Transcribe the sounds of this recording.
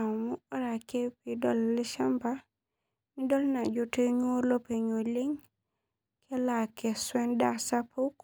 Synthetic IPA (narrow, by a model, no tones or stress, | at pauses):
amuɔɾakepidɔlːiʃamba | nidɔlnad͡ʒoteɲolopeɲoleŋ | kʰelakeswendasapuk